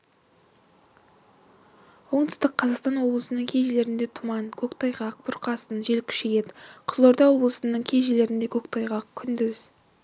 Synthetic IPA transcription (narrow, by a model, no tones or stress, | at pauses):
wo̞ɴt̪ʏ̥st̪əqʰːɑzɑqst̪ɑnwo̞blˠəsənəŋkʲʰe̞jʒele̞ɾɪnd̪e̞t̪ʰʊmɑnkʲʰɵkt̪ʰɑjʁɑq̚bʊɾqɑsənʒe̞lkʲʰʏ̥ʃejet̪qʰʊzˠoɾd̪ɑwo̞blˠəsənəɴkʲʰe̞jʒele̞ɾɪnd̪e̞kʲʰɵkt̪ʰɑjʁɑqkʲʰʏnd̪ʏz